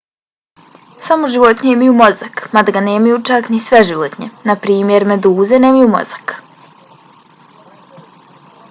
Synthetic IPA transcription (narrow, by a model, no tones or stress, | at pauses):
samoʒiʋot̪ɲeimajumo̞zakmad̪aɡaneːmajut͡ʃaknisʋeʒiʋot̪ɲenapɾiːmje̞ɾme̞d̪uːzeneːmajumo̞̰zḁk